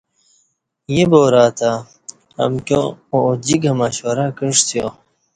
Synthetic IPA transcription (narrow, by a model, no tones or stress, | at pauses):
jeboːɾaːt̪a | ɐ̰mkõod͡ʑiɡɐmaɕoɾakəʂt̪ʰjo